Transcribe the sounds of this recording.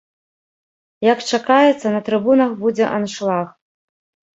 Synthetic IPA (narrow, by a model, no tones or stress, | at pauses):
jɐkt͡ʂakajɛt̪sːɐnɐt̪ɾɨbunɐxbud͡zʲɛʔanʂlˠax